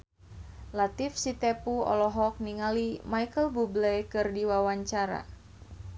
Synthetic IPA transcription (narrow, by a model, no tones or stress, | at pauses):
lat̪ifsit̪epuɔ̰lɔɦɔk̚niŋalimajkəlbublɛjkɨrdiwawaɲt͡ʃaɾa̰